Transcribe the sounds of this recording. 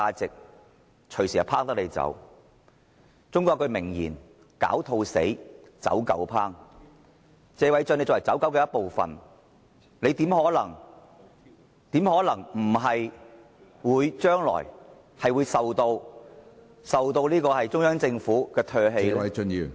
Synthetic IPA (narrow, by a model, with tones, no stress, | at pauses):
aː˧t͡sɪ˨k̚ | t͡ʃʰɵ˨˩ɥsiː˨˩hɐ˨˩wpʰaː˥k̚t̪ɐ˥k̚le˨˧jt͡sɐ̰˨˥w | t͡sʊ˥ŋkʷɔː˧kːɵ˧mɪ˨˩ŋjḭː˨˩n | ka̰ː˨˥wt̪ʰo˧wsḛ˨˥j | t͡sɐ̰˨˥wkɐ̰˨˥wpʰaː˥ŋ | t͡sɛː˧wɐ˨˥jt͡ʃœ˥˧ne˧jt͡sɔ˨wɐ˨˩jt͡sɐ˨˥wkɐ˨˥wkɛ˧jɐ˥t̚po˨wfɐ̰˨n | le˨˧jt̪iː˨˥mhɔː˨˥lɐ̰˨˩ŋ | t̪iː˨˥mhɔː˨˥lɐ˨˩ŋm̩˨˩ɦɐ˨j | wuː˨˧jt͡ʃœː˥ŋlɔ̰ː˨˩j | hɐ˨jwuː˨˧jsɐ˨wt̪o˧w | sɐ˨wt̪o˧wliː˥kɔː˧hɐ˨jt͡sʊ˥ŋjœː˥ŋt͡sɪ˧ŋfuː˨˥kɛː˧t̪ʰœː˧ɦe˧jlni˧